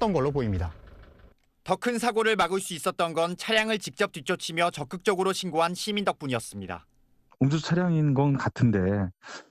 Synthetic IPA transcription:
t͈ʌnɡʌɭːopoimɲida̰ | tʌkʰɯnsʰaɡoɾɯɭmaɡɯɭs͈uis͈ʌt̚t͈ʌnɡʌnt͡ɕʰaɾjaŋɯɭt͡ɕik̚t͡ɕ͈ʌp̚t͈wit͡ɕ͈ʰot͡ɕʰimjʌt͡ɕʌk͈̚ɯk̚t͡ɕ͈ʌɡɯɾoɕʰinɡoɦanɕʰimindʌk̚p͈uɲiʌs͈ɯmɲida̰ | ond͡ʑot͡ɕʰaɾjaŋinɡʌnkatʰɯnde̞

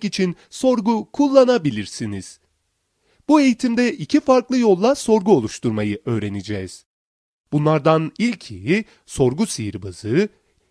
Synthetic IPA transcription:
kit͡ʃʰin | so̞ɾɡukʰulˠːanabilʲiɾsiniz̥ | b̥ue̞jit̪ʰimd̪ɛʔicʰifaɾklˠɯjo̞lˠːaso̞ɾɡuo̞lˠuʃt̪ʰuɾmajɯʔø̞ːɾe̞nid͡ʒɛːz̥ | b̥unlˠaɾd̪anilʲcʰiji | so̞ɾɡusijiɾbazɯɯ

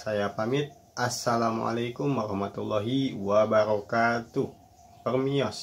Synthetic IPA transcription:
sajapamɪt̪̚ | ʔasalama̰lajkʊmwaɾɔhmat̪ulːɔɦiwabaɾɔkat̪uh | pərmiɔs

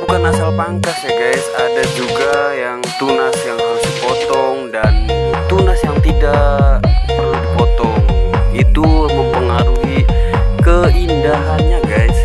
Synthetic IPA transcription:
bukanasalapaŋkasjaɡajsadad͡ʒuɡajaŋt̪unasjaŋhaɾusipɔt̪ɔŋdant̪unasjaŋt̪idaʔməludipɔt̪ɔŋit̪uməŋpəŋaɾuɦikəindaɦanɲaɡaɪs

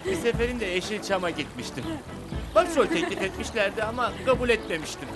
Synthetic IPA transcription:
bise̞fe̞ɾind̪ɛeʃit͡ʃʰamaɟit̪miʃt̪ʰim | b̥aʃolʲt̪ʰeclʲifɛt̪miʃlʲæɾd̪ɛamakʰabulʲɛt̪me̞miʃt̪im

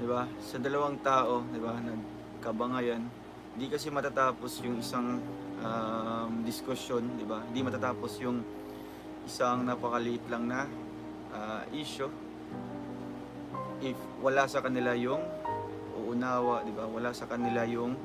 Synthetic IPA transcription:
d̪ɪbasɐd̪ɐlɐwaŋt̪aːʔo̞d̪ɪbanɐɡ | kɐbɐŋajan | hɪnd̪ikɐsɛmɐt̪at̪aːpo̞sjʊŋɪsaŋʔamd̪ɪskʊsjo̞nd̪ɪbahɪnd̪imɐt̪aːt̪aːpo̞sjʊŋ | ʔɪsaŋnɐpɐkɐlɪʔɪt̪laŋnɐ | ʔaʔiːʃo | ʔɪf | wɐlasɐkɐnɪlajʊŋ | ʔʊ̰ʔʊnaːwɐʔd̪ɪbawɐlasɐkɐnɪlajʊŋ

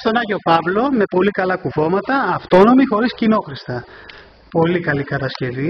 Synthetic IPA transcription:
st̪o̞nɐʝo̞pɐvlo̞me̞po̞likɐlɐkuvo̞mɐt̪ɐːft̪o̞no̞mixo̞ɾiscino̞xɾist̪ɐ | po̞likɐlikɐt̪ɐsce̞vi

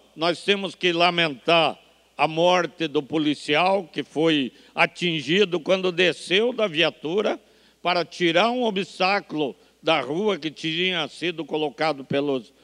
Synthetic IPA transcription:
nɔst̪ẽmʊskɪlamẽnt̪aɾ | ɐmɔɾt̪ɪd̪ʊpolisiawkɪfoj | at͡ʃĩʒid̪ʊkwɐ̃nd̪ʊd̪esewd̪ɐviat̪uɾɐ | paɾɐt͡ʃiɾaɾũobist̪aklʊ | d̪ɐʁuɐkɪt͡ʃ̪iɲɐsid̪ʊkolokad̪ʊpelʊs

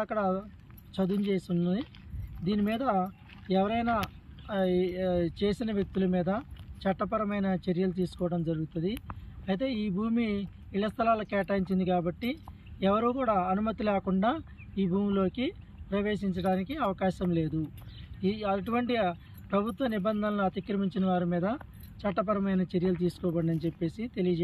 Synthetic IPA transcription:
ɐkːɐɽɐ | t͡ʃɐd̪unt͡ʃeːsuni | d̪iːnimiːd̪ɐ | ɛʋɐɾɐjnaː | t͡ʃe̞ːsinɐʋjek̚t̪ulɐmiːd̪ɐt͡ʃɐʈːɐpɐɾɐmɐjnɐt͡ʃeɾjɐlut̪̬iːsu̥kɔːʋɐɽɐmd͡ʒɐɾuɡut̪und̪iɐjt̪e̞ːiːbʱuːmi | iɭːɐst̪ʰɐlaːlɐkɛːʈaːiɲt͡ʃind̪ikaːbɐʈːi | ɛʋɐɾuːkuːɽaːɐnumɐt̪ilɛːkuɳɖaː | iːbʱuːmilo̞ːkipɾɐʋe̞ːʃiɲt͡ʃɐɽaːnikiɐʋɐkaːʃɐmle̞ːd̪u | iɐʈ̬uʋɐɳʈi | pɾɐbʱut̪ʋɐnibɐnd̪ʱɐnɐluɐt̪ikɾɐmiɲt͡ʃinɐʋaːɾimiːd̪ɐ | t͡ʃɐʈːɐpɐɾɐmɐjnɐt͡ʃeɾjɐlut̪̬iːsu̥kɔːbɐɽɳɖɐnit͡ʃepːe̞ːsit̪e̞lijɐd͡ʒ

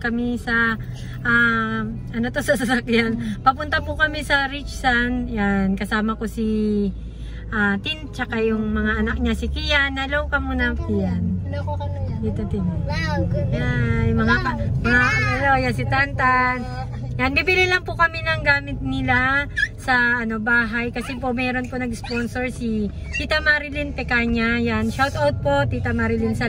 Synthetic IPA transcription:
kɐmisɐ | ʔa | ɐnot̪osɐs̬ɐsakjanpɐpʊnt̪apʊkɐmisɐɾɪt͡ʃsanjankɐsaːmɐkosi | ʔat̪ɪnt͡ʃɐkajʊŋmɐŋaʔɐnak̚ɲasɪkɪjanːɐlowkɐmunɐpɪjan | jɪt̪ot̪ɪn | jajmɐŋamɐŋaɐlojasɪt̪ant̪an | janbibɪlɪlɐŋpʊkɐminɐŋɡaːmɪt̪̚nɪlasɐːno̞baːɦajkɐsɛpomɛːɾo̞nponɐɡspo̞nsoɹsi | sit̪ɐmaɾɪlɪnpɛkaːɲajanʃawt̪owd̪̚po̞t̪it̪ɐmaɾɪlinsɐ

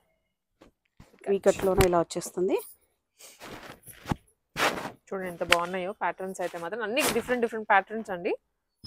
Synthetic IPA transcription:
ʋiːkɐʈloːneːilaːʋɐt͡ʃːeːst̪und̪i | t͡ʃuːɽɐɳɖint̪ɐbaːunːɐjoːpaːʈɐɾnsɐjt̪e̞ːmaːt̪ɾɐ̃mɐnːiːkɖifɐɾeɳʈɖifɾeɳʈ̚paːʈɐɾnsɐɳɖi

